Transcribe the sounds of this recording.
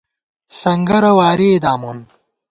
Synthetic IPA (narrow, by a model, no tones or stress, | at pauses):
sɐŋɡɐɾɐwaːɾeːd̪aːmun